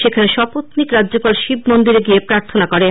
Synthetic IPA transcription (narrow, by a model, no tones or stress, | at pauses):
ʃekʰaneʃɔpot̪nikɾadːʑopalʃib̚mond̪iɾeɡiepɾaɾt̪ʰonakoɾe